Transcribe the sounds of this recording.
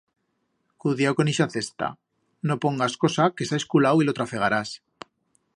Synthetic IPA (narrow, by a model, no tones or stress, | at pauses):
kuðjawko̞niʃaθe̞st̪a̰ | no̞po̞ŋɡasko̞sake̞saeskulawilo̞t̪ɾafe̞ɣ̞aɾas